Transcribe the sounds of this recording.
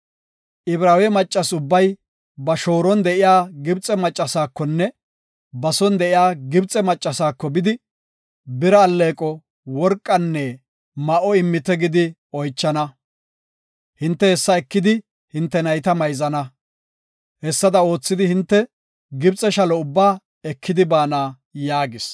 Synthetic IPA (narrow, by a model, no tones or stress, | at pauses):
ʔɪbɾaːwɛmɐt͡ʃʼːɐsʊbːɐj | bɐʃo̞ːɾɔnd̪ɛʔɪjaːɡɪbt͡sʼɛmɐt͡ʃʼːɐsaːkːɔnːɛ | bɐsɔnd̪ɛʔɪjaːɡɪbt͡sʼɛmɐt͡ʃʼːɐsaːkːɔbɪd̪ɪ | bɪɾɐːlːeːkʼɔ | wɔɾkʼːɐnːɛ | mɐʔɔɪmːɪt̪ɛɡɪd̪ɪ | ɔjt͡ʃːɐnɐ | hɪnt̪ːɛhɛsːɐɛkːɪd̪ɪ | hɪnt̪ːɛnɐjt̪ɐmɐjzɐnɐ | hɛsːɐd̪ɐo̞ːt͡sːɪd̪ɪhɪnt̪ːɛ | ɡɪbt͡sʼːɛʃɐlɔʊbːaː | ɛkːɪd̪ɪbaːnaː | jaːɡɪs